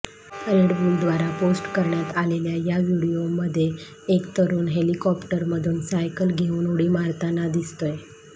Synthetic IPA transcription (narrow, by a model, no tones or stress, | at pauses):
ɾeɽbuːld̪ʋaɾaposʈkəɾɳjat̪aleljajaʋiɽiomːəd̪ʱːje | ekt̪əɾuːnɦelikɔpʈəɾməd̪ʱuːnsajkəlɡʱeuːnoɽiːmaɾt̪anad̪ist̪oj